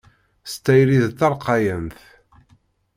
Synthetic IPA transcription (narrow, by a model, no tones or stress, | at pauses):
st̪æjɾiðθɑɾˤqɑjənθ